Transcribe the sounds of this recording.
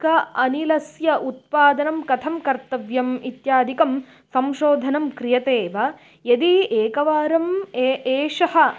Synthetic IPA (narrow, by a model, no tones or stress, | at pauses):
kɐɐnilɐsjɐʔut̪̚paːd̪ɐnɐmkɐt̪ʰɐmkɐɾt̪ɐʋjɐmit̪jaːd̪ʱikɐm | sɐmʃoːd̪ʱɐnɐmkɾijɐt̪eːʋɐ | jɐd̪ieːkɐʋaːɾɐmeeːʃɐhɐ̆